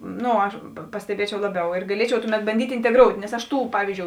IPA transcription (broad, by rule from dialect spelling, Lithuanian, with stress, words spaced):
ˈnoː ɐʃ pɐ pɐsʲtʲɛˈbʲiɛt͡ʃʲɛʊ ˈlˠɑːˌbʲɛʊ ɪr ɡɐˈlʲiɛt͡ʃʲɛʊ ˈtʊˌmʲɛt bɐnʲˈdʲiːtʲ ɪnʲtʲɛˈɡroːʊtʲ nʲɛs ɐʃ ˈtuː ˈpɑːʋʲiːzʲd͡ʒʲoːʊ